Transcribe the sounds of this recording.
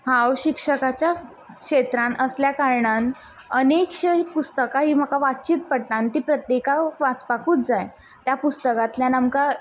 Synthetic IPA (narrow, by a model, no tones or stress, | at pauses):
hawɕikʂəkat͡ɕja | kʂet̪ɾanəsljakaɾɳan | ənekɕpust̪əkaɦiːm̤əkaʋat̪t͡ɕiːt̪̚pəɽt̪ant̪iːpɾət̪jekaʋat͡spakʰuːt̪̚d͡zaj | t̪japust̪əkat̪ljanamka